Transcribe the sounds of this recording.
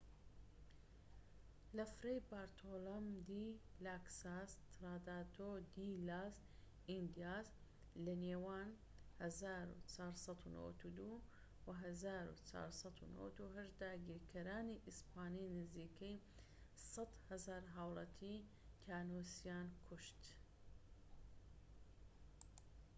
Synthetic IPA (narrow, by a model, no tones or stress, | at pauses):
lɐfɾejbaːɾt̪ʰoːlomd̪ilaksast̪ɾaːd̪aːt̪od̪ilaːs | ind̪ijas | lɐneːwaːn | hɐzaːɾṵt͡ʃʰaːɾsɐt̪uno̰wɐ̰t̪ud̪u | wɐɦɐzaːɾṵt͡ʃʰa̰ːɾsɑt̪ʰṵno̰w̰t̪uɦɐʃd̪aːɡiːɾkʰɐɾaːniʔispʰaːninɪziːkej | sɐt̪hɐzaːɾɦaːwlˠɑt̪ʰi | k̪ʰaːnoːsijaːnkʰuʃt̪